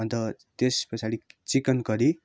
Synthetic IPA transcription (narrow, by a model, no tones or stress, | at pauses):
ʌnt̪ʌt̪espʌt͡sʰaɽit͡sikʌnkʌɾi